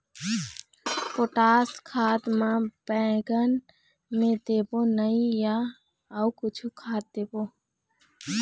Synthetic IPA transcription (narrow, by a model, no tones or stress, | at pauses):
poʈaskʰad̪mãbɛ̃ɡən | med̪ebonəija | əukʊt͡ʃʰukʰad̪̚d̪ebo